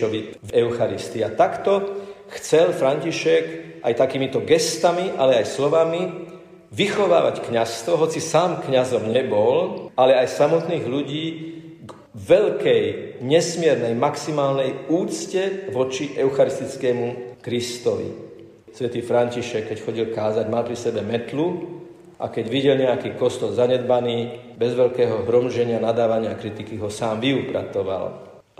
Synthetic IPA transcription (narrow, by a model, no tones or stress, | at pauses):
ɔʋivɛʊxaɾist̪iat̪akt̪ɔxt͡sɛlfɾaɲciʃɛkʔajt̪akiːmit̪ɔɡɛst̪amiʔalɛajslɔʋami | ʋixɔʋa̰ːʋa̰ckɲast̪ʋɔɦɔt͡sisaːmkɲazɔmɲɛbɔlalɛajsamɔt̪niːɣʎuɟiːɡ | ʋɛʎkɛjɲɛsmɪɛɾnɛjmaksimaːlnɛjuːt͡scɛʋɔt͡ʃiʔɛʊxaɾist̪it͡skɛːmukɾist̪ɔʋḭ | sʋɛt̪iːfɾanciʃɛkːɛcxɔɟilkaːzaɟmalpɾisɛbɛmɛt̪lu | ʔa̰kɛɟʋiɟɛlɲɛakiːkɔst̪ɔlzaɲɛd̪̚baniːbɛzʋɛʎkɛːɦɔɦɾɔmʒɛɲɪanad̪aːʋaɲɪakɾit̪ikiɦɔsaːmʋiupɾa̰tɔʋa̰l